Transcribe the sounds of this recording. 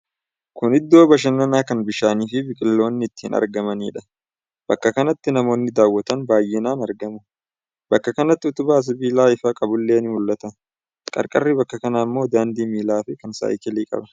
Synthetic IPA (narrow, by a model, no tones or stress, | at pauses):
kʊnɪd̪ːo̞ːbɐʃ̬ɐnːɐnaːkɐnbɪʃaːniːfɪbɪkʼɪlːo̞ːnːɪɪt̪ːḭːnɐ̰ɾɡɐmɐniːᶑɐ̥ | bɐkːɐkɐnɐt̪ːɪnɐmo̞ːnːɪd̪aːwːɐt̪ɐnbaːjːɪnaːnɐɾɡɐmʊ | bɐkːɐkɐnɐt̪ːɪʊt̪ʊbaːs̬ɐbiːlaːɪfɐkʼɐbʊlːeːnmʊlːɐt̪ɐ | kʼɐ̰ɾkʼɐrːibɐkːɐkɐnaːɪmːo̞ːd̪aːnd̪iːmiːlaːfɪkɐnsa̰ːɪkɪliːkʼɐ̰bɐn